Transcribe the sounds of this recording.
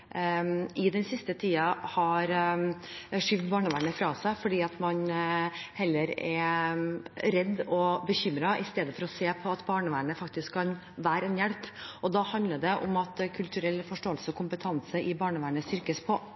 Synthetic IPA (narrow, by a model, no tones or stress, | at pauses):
ɪd̪ɛnsɪst̪ət̪ʰiːɑhɑɾ | ʂiːʋd̪bɑːɳəʋæːɳəfɾɑːsæɪfɔɖiːɑt̪mɑn | hɛlːəɾɛ | ɾɛd̪ːɔbəçʏmɾɑʔɪst̪eːd̪əfɔɾɔseːpʰɔɑt̪bɑːɳəʋæːɳəfɑkt̪ɪskʰkːɑn | ʋæːɾɛnjæɽpɔd̪ɑːhɑnd̪ləɖɛʔʊ̰mɑt̪kʰʉlt̪ʉɾɛlːfɔʂʈoːəlsəɔkʰʊmpət̪ʰɑnsəʔɪbɑːɳəʋæːɳəst̪ʏɾkəspʰɔ